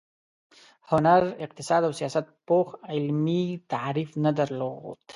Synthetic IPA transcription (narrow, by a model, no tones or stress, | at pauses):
hʊnaɾɪq̚t̪ɪsɑd̪awsijɑsat̪̚poxɪlmit̪aɾifnad̪aɾloɣ̰d̪̥